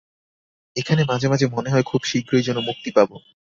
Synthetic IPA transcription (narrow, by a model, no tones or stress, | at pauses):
ekʰanemad͡ʑʱemad͡ʑʱemoneɦɔekʰubʃiɡɾeɾd͡ʑonːomuk̚t̪ipabo